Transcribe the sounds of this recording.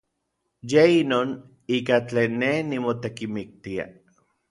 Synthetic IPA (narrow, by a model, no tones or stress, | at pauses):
jeinoːn | iːkat͡ɬeːnːehnimot̪ekimik̚t̪ia̰